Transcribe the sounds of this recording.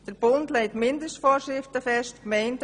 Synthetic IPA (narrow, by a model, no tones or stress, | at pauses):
d̥əɾb̥ʊndleɪtmɪndəstfɔːɾʃɾɪftəfɛʃtkmɛɪnd